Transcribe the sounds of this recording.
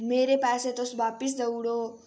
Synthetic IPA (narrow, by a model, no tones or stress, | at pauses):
meɾepaset̪osbapis̬d̪əwɽo